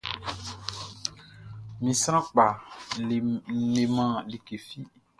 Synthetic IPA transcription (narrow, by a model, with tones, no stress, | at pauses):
mĩ˨sɾã˦k͡pa˨ | le˨mã˦li˨ke˨fi˦